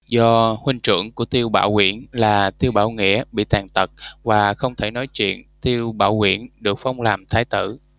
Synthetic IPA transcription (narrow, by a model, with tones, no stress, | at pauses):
zɔ˧hwï˧ŋt͡ɕɨ̰˧˩˥əŋku˧˩ət̪i˧əwɓa̰ː˧˩whwḭ˧˩ənlaː˨˩t̪i˧əwɓaː˧˩wŋḭ˧˨˥əɓḭ˧˨t̪aː˨˩ŋt̪ə˨˩t̚vaː˨˩xə˧wŋ͡mt̪ʰe˧˩nɔ˨˦jt͡ɕwḭ˧˨ənt̪i˧əwɓa̰ː˧˩whwḭ˧˩ənɗɨ˨˩ək̚fa˧wŋ͡mlaː˨˩mt̪ʰaː˨˦jt̪ɨ̰˧˨